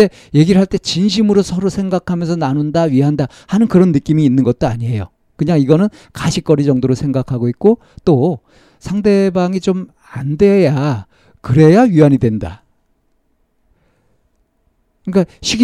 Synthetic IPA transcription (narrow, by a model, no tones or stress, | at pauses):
e̞ | je̞ɡiɾɯɭɦaɭt͈e̞t͡ɕinɕ̬ʰimɯɾosʰʌɾosʰe̞ŋɡakʰamjʌnsʰʌnanundaɥiɦanda | hanɯnkɯɾʌnːɯk͈imiːnːɯnɡʌt̚t͈oaɲiɦe̞jo | kɯɲaŋiɡʌnɯn | kaɕʰik͈ʌɾid͡ʑʌŋdoɾosʰe̞ŋɡakʰaɡoit̚k͈o | t͈o | sʰaŋde̞baŋit͡ɕom | andwe̞ja | kɯɾe̞jaɥiaɲidwenda̰ | kɯik͈aɕʰiɡ